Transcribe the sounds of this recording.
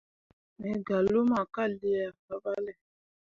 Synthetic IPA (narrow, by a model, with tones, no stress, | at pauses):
mɛ˨ɡa˨lo˦ma˨ka˦˨li˦a˨fa˨ba˦lɛ˦˨